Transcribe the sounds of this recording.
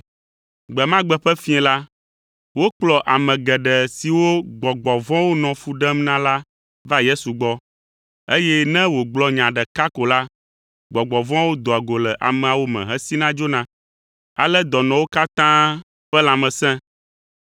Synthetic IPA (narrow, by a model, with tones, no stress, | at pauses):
ɡ͡bɛ˨mã˦ɡ͡bɛ˦ɸɛ˦fĩ˦ɛ̃˨la˦ | wo˦k͡plɔ˨ʔa˨mɛ̃˨ɡɛ˨ɖɛ˨si˨wo˦ɡ͡bɔ˨ɡ͡bɔ˨vɔ̃˦wo˦nɔ̃˨fu˨ɖɛ˦mnã˦la˦ | va˦je˦su˨ɡ͡bɔ˦ | e˦jɛ˦nɛ̃˦wo˨ɡ͡blɔ˨ɲã˨ɖɛ˨ka˦ko˨la˦ | ɡ͡bɔ˨ɡ͡bɔ˨vɔ̃˦wo˦d̪o˨a˨ɡo˨lɛ˨ʔa̰˨mɛ̃˨a˨wo˦mɛ̰̃˨ɦɛ̃˦si˦nã˦d͡ʒo˦nã˨ | a̰˨lɛ˦d̪ɔ˨nɔ̃˨wo˦ka˦t̪ã˦ | ɸɛ˦lã˨mɛ̃˨sɛ̃˦